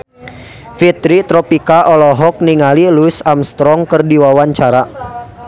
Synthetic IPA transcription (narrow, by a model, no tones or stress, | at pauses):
fit̪ɾit̪ɾɔpikaʔɔlɔɦɔk̚niŋalilusamst̪ɾɔŋkərdiwawaɲt͡ʃaɾa